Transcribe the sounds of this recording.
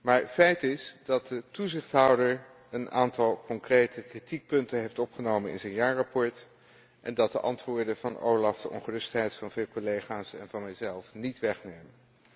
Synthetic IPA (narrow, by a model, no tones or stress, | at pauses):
maːɹtfɛjtɪsdɑt̚dətuzɪχtɦʌwdəɹ | ənʔaːntɑlˠkɔŋkrejtəkritik̚pɵntənɦejftɔpχənowmənɪ̰nzɛjnjaːɹrɑpɔɹt | ʔɛ̰ndɑt̚dəʔɑ̰ntʋʊːɹdənvɑnʔo̰wlɑfd̥əʔɔ̰nχərɵstɦɛjtfɑnvɪːlˠkɔlejχaːsɛnvɑnmɛjzɛlˠfnitʋɛχnejmən